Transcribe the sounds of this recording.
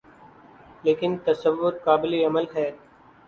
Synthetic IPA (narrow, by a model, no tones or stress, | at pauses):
leːkɪnt̪əsəʋːʊɾkaːbɪliɐməlɦɛː